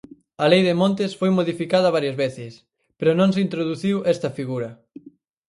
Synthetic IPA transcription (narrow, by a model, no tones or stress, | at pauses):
ɐlejðemõnt̪̬ɪsfojmoðifikaðɐβ̞aɾjɐzβeθɪs | peɾonõŋs̬int̪ɾoðuθiwʔɛst̪ɐfiɣuɾɐ